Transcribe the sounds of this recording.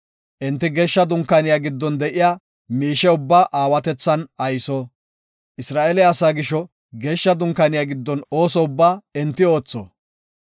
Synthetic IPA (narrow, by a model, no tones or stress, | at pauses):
ʔɛnt̪ːɪɡeːʃːɐd̪ʊŋkːɐnɪjaːɡɪd̪ːɔnd̪ɛʔɪjaː | miːʃɛʊbːaːʔaːwɐt̪ɛt͡sːɐnɐjsɔ | ʔɪsɾaːʔelɛɐsaːɡɪʃɔ | ɡe̞ːʃːɐd̪ʊŋkːɐnɪjaɡɪd̪ːɔno̞ːsɔʊbːaːɛnt̪ːɪo̞ːt͡sːɔ̰